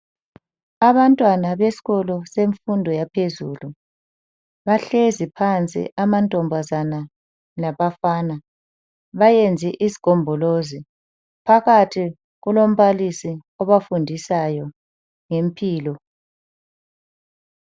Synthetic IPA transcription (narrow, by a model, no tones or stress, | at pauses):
aβantʼwanaβesi̥ɣɔlɔseɱfundʱɔjapʰezṵːlu | βaɬezipʰant͡sʼḭʔamantʼɔmbʱazana | laβafaːna | βajend͡zʱiʔizi̥ɡ̥ʱɔmbʱɔlozi | pʰaɣatʰi | ɣulom̩βalisi | ɔβafundʱisajɔ | ŋempʰʼiːlɔ